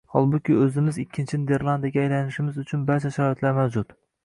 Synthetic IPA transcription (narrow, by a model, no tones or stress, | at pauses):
hɒ̰lˠbʊkʲɪɵzɪmɪzɪkʲʰːɪnt͡ʃʰɪned̪eɾlˠand̪aɡʲaːjlanɪʃɪmɪzʊt͡ʃʰʊnbaɾt͡ʃʰaʃaɾɒit̪laɾmawd͡ʒʊt̪